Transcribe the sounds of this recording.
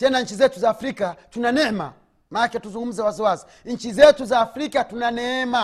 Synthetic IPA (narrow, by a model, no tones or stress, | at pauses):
tɛnaɲ̩t͡ʃizɛtuzaːfɾikatunanɛɛma̰ | maakɛtuzuŋɡum̩zɛwaziwazi | ɲ̩t͡ʃizɛtuzaːfɾikatunanɛɛma